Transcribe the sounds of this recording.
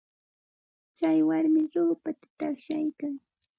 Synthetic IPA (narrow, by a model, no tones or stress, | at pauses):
t͡ʃajwaɾmɪɾoːpat̪ḁt̪aχʃajkaŋ